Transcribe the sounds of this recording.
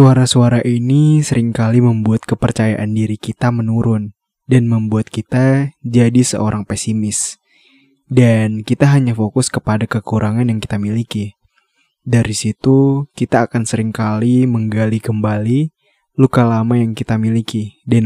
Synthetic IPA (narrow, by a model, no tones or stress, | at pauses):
suaɾasuaɾaʔinisəɾɪŋkaliməmbuat̪̚kəpərt͡ʃaja̰ʔandiɾikit̪amənuɾʊn | danməmbuat̪̚kit̪ad͡ʒadisə̰ʔoɾʔaŋpɛsimɪs | dankit̪aɦaɲafokʊskəpadakəkuɾʔaŋanjaŋki̥t̪amiliki | daɾisit̪ukit̪aːkansəɾɪŋkaliməŋɡalikəmbali | lukalamajaŋkit̪amilikidan